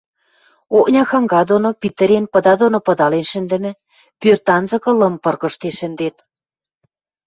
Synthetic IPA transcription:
ok̚nʲɑxɑŋɡɑd̪onopit̪ɘ̆ɾenpɤ̆d̪ɑd̪onopɤ̆d̪ɑlenʃɘ̆nd̪ɘ̆mɘ̆ | pørt̪ɑnzɤ̆kɤ̆lɤ̆mpɤ̆rɣɤ̆ʃt̪eʃɘ̆nd̪en

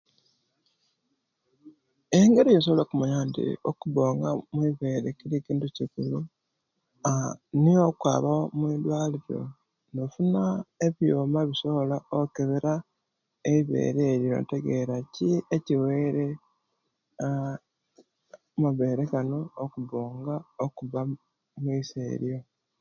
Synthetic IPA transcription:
eŋɡe̞ɾijes̬oβolokumaɲantḭo̰kuβoːŋɡamwiβe̞ːɾekiɾiciːnduciɡulu | aniokwa̰ːβamwilwaːliɾo̞̰ | nofunaeβjoːmaβisolaokeβeɾa | eiβḛːɾeːɾjo̞̰nteɡe̞ɾacieciweːɾe | muβe̞ːɾekano̞ːkuβoːŋɡaokuβa | mwiːseːɾjo

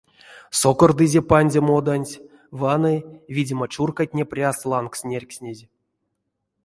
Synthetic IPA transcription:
sokord̪ɨzʲepanʲzʲemod̪anʲtʲ | vanɨvʲidʲimət͡ʃurkat̚ʲnʲepʲrʲaslˠanksʲnʲerʲksʲnʲezʲ

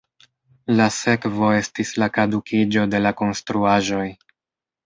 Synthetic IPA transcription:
lase̞kvo̞e̞stislakadukʰid͡ʒo̞de̞lako̞nstɾuaʒo̞j

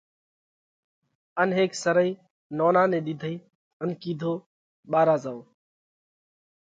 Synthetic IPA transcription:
ənɦeːksəɾəiː | noːnaːnẽːɗ̪ɪd̪ʱəiː | ənkiːd̪ʱoː | ɓaːɾaːzaːoː

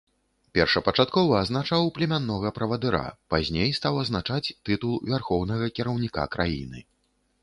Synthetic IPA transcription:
pʲɛrʂɐpɐt͡ʂat̪kɔvɐːznat͡ʂawplʲɛmʲanːɔɣɐpɾɐvɐd̪ɨɾa̰pazʲnʲejst̪awɐznat͡ʂat͡sʲt̪ɨt̪ulˠvʲarxɔwnɐɣɐkʲɛɾɐwnʲika̰kɾa̰jḭnɨ̰

